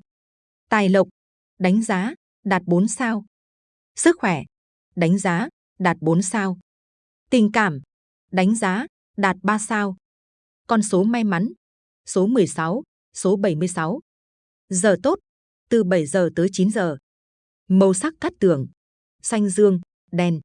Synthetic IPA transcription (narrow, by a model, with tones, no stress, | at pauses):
t̪aː˨˩jlə˨˩wk͡p̚ | ɗa˨˦jŋ̟zaː˨˦ | ɗaː˨˩t̚ɓo˨˦nsaː˧w | sɨ˦˥k̚xwɛ˧˩ | ɗa˨˦jŋ̟zaː˨˦ | ɗaː˨˩t̚ɓo˨˦nsaː˧w | t̪ï˨˩ŋkaː˧˩m | ɗa˨˦jŋ̟zaː˨˦ | ɗaː˨˩t̚ɓaː˧saː˧w | kɔ˧nso˨˦ma˧jma˨˦n | so˨˦mɨ˨˩əjsa˨˦w | so˨˦ɓə˧˩jmɨ˧əjsa˨˦w | zəː˨˩t̪o˦˥t̚ | t̪ɨ˨˩ɓə˧˩jzəː˨˩t̪əː˨˦jt͡ɕi˨˦nzəː˨˩ | mə˧wsa˦˥k̚ka˦˥k̚t̪ɨ˧˩əŋ | sa˧jŋ̟zɨ˧əŋ | ɗɛ˧˩n